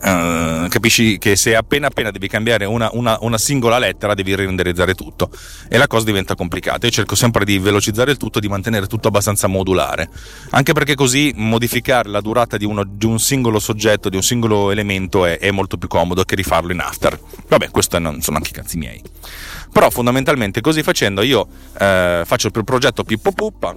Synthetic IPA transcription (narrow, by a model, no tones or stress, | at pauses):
kapiʃːikeseapːeːnaːpːeːnad̪ɛːvikambjaːɾeunaʔunaʔunasiŋɡolalɛt̪ːeɾad̪ɛːviɾiend̪eɾid̪zaːɾet̪ut̪ːo | elakɔːzad̪ivɛnt̪akomplika̰ːt̪aiot͡ʃerkosɛmpɾed̪ivelot͡ʃid̪zːaːɾeilt̪ut̪ːoed̪imant̪eneːɾet̪ut̪ːoabːast̪ant̪samod̪ula̰ːɾe | a̰ŋkeperkekːozimod̪ifikaːɾelad̪uɾaːt̪ad̪iunod̪iunsiŋɡolosod͡ʒːɛt̪ːod̪iunsiŋɡoloelement̪oɛʔɛmːolt̪opjukːɔːmod̪ok̟erifarloina̰ft̪ḛr | vabːɛkwest̪oɛnːonsonoa̰ŋke̥ikant̪simjɛ̰ːj | peɾɔfond̪ament̪alment̪ekozifːat͡ʃɛnd̪oiːo | fat͡ʃːoilpɾod͡ʒɛt̪ːopipːopːupːa